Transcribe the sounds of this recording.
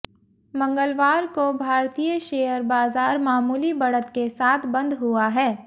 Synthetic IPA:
mɐ̃ŋɡəlʋaːɾkobʱaːɾt̪ijəʃeːəɾbaːzaːɾmaːmuːlibɐɽət̪kesaːt̪ʰbɐ̃nd̪ɦuaɦɛː

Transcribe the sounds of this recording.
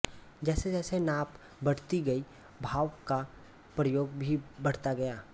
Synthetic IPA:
d͡ʒɛːsed͡ʒɛːsenaːp | bɐɽ̤t̪iɡɐi | bʱaːwka | pɾəjoːɡbʱibɐɽ̤t̪aɡɐjaː

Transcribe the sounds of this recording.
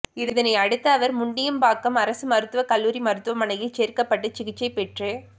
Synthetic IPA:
ɪɾɯðɐnɐɪɐɽɯt̪ːɐːʋɐɾmʊɳɖɪjɐmbaːkːɐmɐɾɐsɯmɐɾɯt̪ːɯʋɐkɐlːuːɾimɐɾɯt̪ːɯʋɐmɐnɐjɪt͡ʃeːɾkɐpːɐʈːɯt͡ʃɪɣɪt͡ʃːɐɪpɛʈrɯ

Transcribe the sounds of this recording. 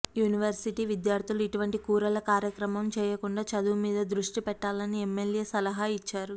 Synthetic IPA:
juːniʋɐɾsiʈiːʋid̪jaːɾt̪ʰiluiʈuʋɐɳʈikuːɾɐlɐkaːɾjɐkɾɐmɐmt͡ʃɛːjɐkuɳɖaːt͡ʃɐd̪uːmiːd̪ɐd̪ɾuʂʈipɛʈːaːlɐniemːelje̞ːsɐlɐɦaːit͡ʃːaːɾu

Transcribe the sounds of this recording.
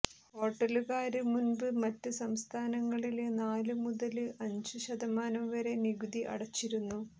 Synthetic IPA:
ho̞ːʈːɐluɣaːɾɨmunbɨmɐtːɨsɐmst̪ʰaːnɐŋːɐɭilnaːlɨmuðɐlɨɐɲd͡ʑɨɕɐd̪ɐmaːnɐmʋɐɾe̞niɡud̪iʔɐ̰ɽɐt͡ɕːiɾunːu

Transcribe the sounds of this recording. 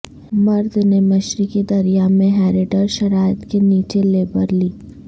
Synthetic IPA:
mɐɾd̪ʱnemɐʃɾiked̪ɐɾijamẽɦɛːɾɪʈəɾʃɐɾaːɪət̪keniːt͡ʃeleːbəɾliː

